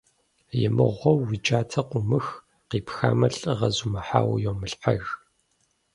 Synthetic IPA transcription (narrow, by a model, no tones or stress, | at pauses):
jɪmɨ̰ʁʷɔwːit͡ʃʼaːtʰɐqʷʊmɨx | qiːpxa̰ːmɐɬɨʁɐzumɐħa̰ːwjoːmɨɬħaɣ